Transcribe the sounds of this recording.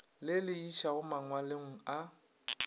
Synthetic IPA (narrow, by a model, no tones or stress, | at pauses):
lɪlɪiʃaɣʊmaŋwaleŋ̩a